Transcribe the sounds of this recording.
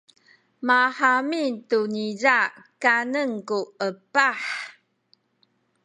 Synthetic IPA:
maħamitunizakanəŋkuəpaħ

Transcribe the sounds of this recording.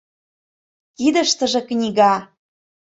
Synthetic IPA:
kid̪ə̆ʃt̪ə̆ʒĕknʲiɣɑ

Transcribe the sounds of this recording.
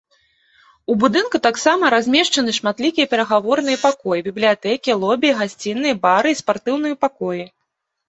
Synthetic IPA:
ubud̪ɨnkut̪aksamɐɾazʲmʲɛʂt͡ʂɐnɨʂmat̪lʲikʲijɛpʲɛɾɐɣavɔrnɨjɐpakɔjibʲiblʲijat̪ɛkʲilˠɔbʲiɣasʲt͡sʲinːɨjɐbaɾɨispart̪ɨwnɨjɐpakɔji

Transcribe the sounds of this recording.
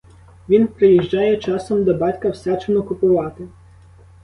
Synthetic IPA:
ʋʲinpɾɪjiʒd͡ʒajɛt͡ʃɑsɔmd̪ɔbɑtʲkɐwsʲat͡ʃenɔkʊpʊʋɑt̪ɪ

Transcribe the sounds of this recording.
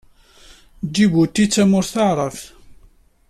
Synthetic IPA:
d͡ʒːibut̪ːit͡sːæmʊɾθaʕɾˤəf

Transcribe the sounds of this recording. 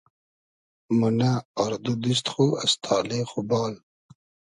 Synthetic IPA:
munaːɾd̪ud̪is̬t̪χuast̪ʰɑːlexubɑːl

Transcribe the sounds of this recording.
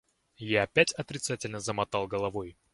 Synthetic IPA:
jaɐpʲætʲɐt̪ɾʲɪt̪satʲɪlʲnəzəmɐt̪alˠɡəlˠɐvoj

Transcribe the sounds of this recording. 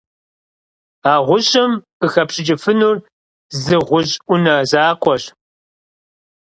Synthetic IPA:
aːʁʷʊɕʼɐmqəxɐpɕʼɪd͡ʒʼɪfɨnuːr | zɨʁʷʊʑʼʔʷʊnɐzaːqʷʼɔɕ

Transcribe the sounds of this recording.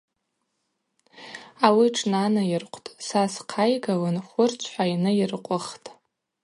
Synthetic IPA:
awiʈ͡ʂʰʼnanajɪrqʷʰʼtʼsasqʰajɡawɨnχʷʊrt͡sʷʰħʷainɨirqʷʼʊχtʼ

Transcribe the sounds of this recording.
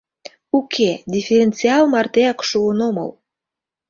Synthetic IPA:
ukʰed̪ʲifʲeɾʲent͡siɑlmɑrt̪eɑkʃuənomɤ̰l

